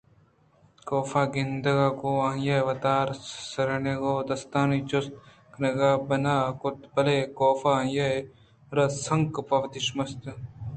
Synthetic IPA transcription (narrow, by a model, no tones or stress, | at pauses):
koːfaːɡind̪ɐɡaːkoãːjɐʋɐt̪aːɾsɐɾɐneɡoːd̪ɐst̪aːnit͡ʃos | knɐɡaːbɐnaːkʊt̪bɐlekoːfaːjɐ | ɾɐsɐŋkpɐʋt̪iʃmɐst̪